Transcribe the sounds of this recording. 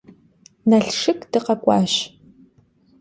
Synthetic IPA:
nɐɬʂɨkʼd̥ɨqɐkʷʼɑːɕ

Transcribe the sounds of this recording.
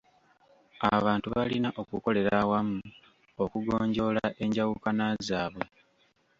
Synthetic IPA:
aβaːntuβalinaʔo̞kuko̞le̞ɾawamu | okuɡo̞ːɲɟo̞ːlaʔe̞ɲɟawukanazaːβe̞

